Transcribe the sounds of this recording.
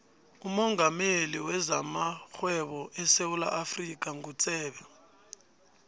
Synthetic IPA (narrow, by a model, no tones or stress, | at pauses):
umɔŋɡameliwɛzamaxwɛβɔʔɛsewula̰ʔafrik̬ʼaŋɡut͡sʼɛːɓɛ